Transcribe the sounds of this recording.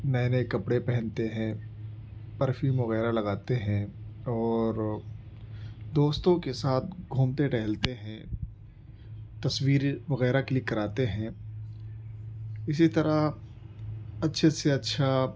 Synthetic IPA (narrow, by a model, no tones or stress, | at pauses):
nɛːnekɐpɽepɛɦɛ̃nt̪eɦɛ̃ | pɐɾfimʋɐɣɛːɾalɐɡaːt̪eɦɛ̃ɔːɾ | d̪oːst̪õkesaːt̪̚ʰɡʱuːmt̪eʈɛɦlt̪eɦɛ̃ | t̪ɐswiːɾʋɐɣɛːɾakelɪekːɐɾaːt̪eɦɛ̃ː | ɪsit̪ɐɾa | ɐtːʃʰeseɐtːʃʰa